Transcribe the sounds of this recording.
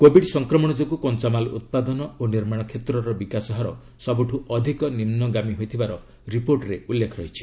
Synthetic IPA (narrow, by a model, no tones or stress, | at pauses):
kobʱiɖsɔŋkɾɔmɔɽ̃ɔd͡ʒokukɔnt͡ʃamalṵt̪̚pad̪ɔnɔoniɾmaɽ̃ɔkʰet̪ɾɔɾɔbikasɔɦaɾɔ | sɔbuʈʰuɔd̪ʱikɔnimnɔɡamiɦojt̪ʰibaɾɔ | ɾipoɾʈɾeulːekʰɔɾɔɦit͡ʃʰi̥